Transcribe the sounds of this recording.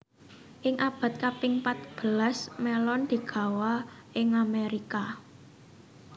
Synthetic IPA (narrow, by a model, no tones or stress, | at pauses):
ʔɪŋʔab̥a̤t̪̚kapɪŋpat̪̚b̥əlasmɛlɔnd̪̥i̤ɡ̥ä̤wa | ʔɪŋameɾika